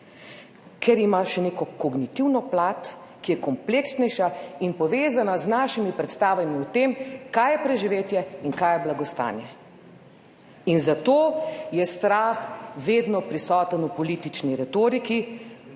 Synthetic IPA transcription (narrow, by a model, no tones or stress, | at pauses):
kʰɛɾimaʃɛneːkɔkɔɡnit̪iwnɔplaːt̪kijɛkɔmpleːksnɛjʃainpɔʋeːzanaznaːʃimipɾɛt̪st̪aːʋamiut̪emkajɛpɾɛʒiʋeːt̪jɛiŋkaːjɛblaɡɔst̪a̰ːnjɛ | inzat̪oːjɛst̪ɾaːxʋeːd̪nɔpɾisɔːt̪ənupɔlit̪it͡ʃniɾɛt̪oːɾiki